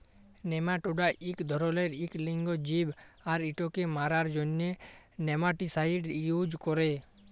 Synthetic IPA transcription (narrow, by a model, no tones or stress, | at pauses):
nemaʈuɖaʔikd̪ʱɔɾɔleɾikliŋɡɔd͡ʒibaɾiʈokemaɾaɾd͡ʒɔnjenemaʈisaiɖjud͡ʒkɔɾe